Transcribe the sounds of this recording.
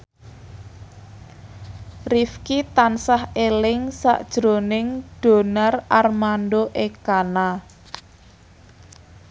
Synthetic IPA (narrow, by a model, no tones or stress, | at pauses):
rifkit̪ansahelɪŋsa̰ʔd̥ʒ̥ɾo̤nɪŋɖ̥o̤narʔarmanɖoʔekana